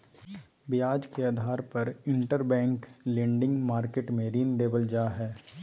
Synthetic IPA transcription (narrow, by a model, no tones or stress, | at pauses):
bɪjaːd͡ʒkeaːd̪ʱaːɾpɐɾɪ̃ɳʈəɾbɛ̃ːŋk | lẽːɳɖɪ̃ŋɡmaːɾkeːʈmẽɾiːnd̪eːbəld͡ʒaːɦɛː